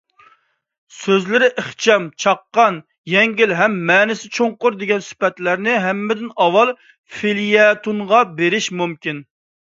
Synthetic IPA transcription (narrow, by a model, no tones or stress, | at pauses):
søzlɪɾɪʔəχt͡ʃʰɛmt͡ʃʰɑqːɑn | jɛŋɡʲilɦɛmːɛːnɪsɪt͡ʃʰoɴqʊɾd̪eɡʲɛnsy̥pɛt̪læɾnɪɦɛmːɪd̪ɪnɑwɑlˠ | filijɛt̪unʁɑbeɾɪʃmumkʲin